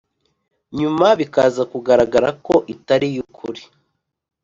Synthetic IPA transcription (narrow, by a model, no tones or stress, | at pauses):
ɲumaβikaːzakuɡaɾaɡaɾakoʔitaɾijukʰuɾi